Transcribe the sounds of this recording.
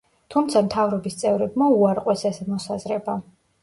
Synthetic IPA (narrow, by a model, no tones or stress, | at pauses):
t̪ʰumt̪sʰamt̪ʰavɾɔbist̪sʼɛvɾɛbmauaɾqʼwɛsɛsɛmɔsazɾɛba